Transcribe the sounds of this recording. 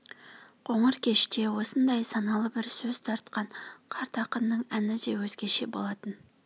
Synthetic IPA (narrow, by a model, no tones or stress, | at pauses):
qʰo̞ɴəɾkʲʰe̞ʃt̪e̞wo̞sənd̪ɑjsɑnɑlˠəbɪɾsɵz̥t̪ʰɑɾt̪̚qɑɴqʰɑɾt̪ɑqənːəɴænɪd̪ewɵzɡʲeɾʃe̞bo̞lˠɑt̪ən